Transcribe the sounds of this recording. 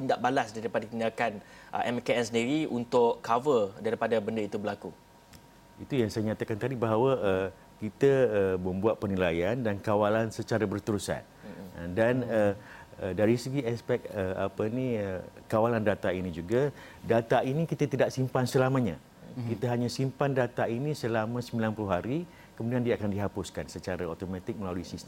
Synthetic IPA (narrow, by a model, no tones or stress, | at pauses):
p̪indaʔbalasdaɾipadak̪inakanʔə̰ʔɛmkeɛnsəndiɾiʔunt̪ʊʔkavədaɾipadabəndəit̪ubəlaku | it̪ujaŋsajaɲãt̪akant̪adibaɦawaə | kit̪aəməmbuat̪̚pərnilajandankawalansət͡ʃaɾabərt̪əɾusa̰n | danəədaɾisəɡiaspɛk̚əa̰pəniəkawalandat̪ainid͡ʒuɡa | dat̪ainikit̪at̪idaʔsimpansəlamãɲã̰ | kit̪aɦaɲãsimpandat̪ainisəlamãsəmilanpəluɦaɾi | kəmudiandiaakandiɦapʊskansət͡ʃaɾaot̪omãt̪ɪk̚məlaluisist̪